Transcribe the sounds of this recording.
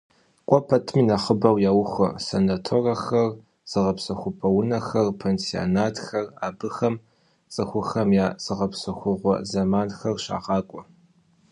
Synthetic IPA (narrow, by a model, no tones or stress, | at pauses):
qʷʼɔpʰɐtʰminɐχəbɐwjaːwʊxʷɐ̰senatʰoːrɐxɐr | z̥ɨʁɐpsɐxʷʊpʰɐwʊnɐxɐrpʰeːnsio̰naːtʰxɐraːbɨxɐm | t͡sʼɨxʷʊxɐmjaːzɨʁɐpsɐxʷʊʁʷɔ̰zɐmaːnxɐrɕa̰ːʁɑːkʷʼɔ